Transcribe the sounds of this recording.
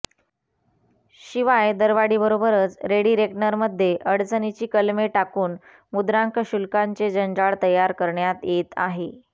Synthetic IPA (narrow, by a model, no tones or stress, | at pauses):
ɕiʋajd̪əɾʋaɽiːbəɾobəɾət͡sɾeɽiːɾeknəɾməd̪ʱːjeʔəɽt͡sənit͡ɕiːkəlmeʈakuːn | mud̪ɾaŋkɕulkaɲt͡sed͡ʑəɲd͡ʑaɭt̪əjaɾkəɾɳjat̪jet̪a̰ɦe